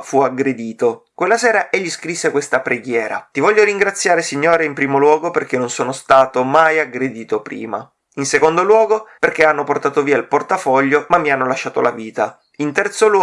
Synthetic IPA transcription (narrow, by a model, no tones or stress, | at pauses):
fuaɡɾed̪iːt̪okwelːasɛːɾaʔeʎːiskɾisːekwest̪apɾeɡjɛːɾa̰t̪ivɔʎːoɾiŋɡɾat̪sːjaːɾesiɲːoːɾeimpɾiːmolwɔːɡoperk̟enːonsoːnost̪aːt̪omajaɡɾed̪iːt̪opɾḭːma̰ | insekond̪olwɔːɡoperk̟eanːoport̪aːt̪oviːailport̪afɔʎːomamːianːolaʃːaːt̪olaviːt̪a | int̪ɛrt̪sol